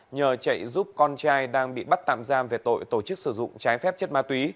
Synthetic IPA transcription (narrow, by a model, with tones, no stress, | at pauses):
ɲəː˨˩t͡ɕə̰˧˨jzu˦˥p̚kɔ˧nt͡ɕaː˧jɗaː˧ŋɓḭ˧˨ɓa˦˥t̚t̪a̰ː˧˨mzaː˧mve˨˩t̪o̰˧˨jt̪o˧˩t͡ɕɨ˦˥k̚sɨ˧˩zʊ̰˧˨ŋ͡mt͡ɕaː˨˦jfɛ˦˥p̚t͡ɕə˦˥t̚maː˨˦t̪wi˨˦